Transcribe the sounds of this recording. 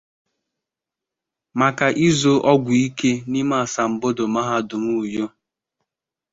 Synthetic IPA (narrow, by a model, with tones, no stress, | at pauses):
ma˨ka˨ʔi˦zo˦ʔɔ˦ɡʷʊ˨i˦ke˦ni˦ma˦a˨sa˨m̩˨bo˦do˨ma˦ɦa˦dʊ˨mu˦˨jo˦